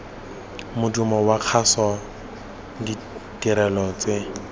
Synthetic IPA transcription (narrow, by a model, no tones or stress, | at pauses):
mʊdumɔwaq͡χʰasɔ | di | tʼiɾɛlɔt͡se